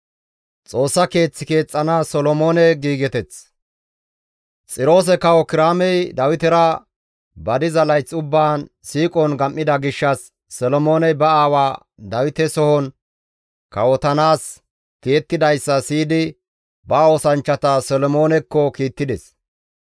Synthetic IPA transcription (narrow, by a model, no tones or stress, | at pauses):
t͡sʼo̞ːsːɐke̞ːt͡sːɪke̞ːt͡sʼːɐnasɔlɔmo̞ːnɛɡiːɡɛt̪ɛt͡s | t͡sʼɪɾo̞ːs̬ɛkɐwɔkɪɾaːmɛjd̪ɐwɪt̪ɛɾɐ | bɐd̪ɪzɐlɐjt͡sːʊbːaːn | siːkʼɔnɡɐmʔːɪd̪ɐɡɪʃːɐsː | ɔlɔmo̞ːnɛbɐaːwaː | d̪ɐwɪt̪ɛsɔhɔn | kɐwɔt̪ɐnaːs | kijɛt̪ːɪd̪ɐjsːɐsiːd̪ɪ | bɐoːsɐnt͡ʃːɐt̪ɐsɔlɔmo̞ːnɛkːɔkiːt̪ːɪd̪ɛs